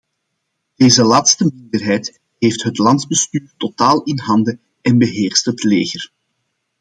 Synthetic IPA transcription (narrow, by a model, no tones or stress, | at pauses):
d̥eːzəlaːtstəmɪndərɦɛjt | ɦeːftɦətlɑndzbəstyːrtotaːlˠɪnɦɑndə | ɛnbəɦeːrstətleːɣər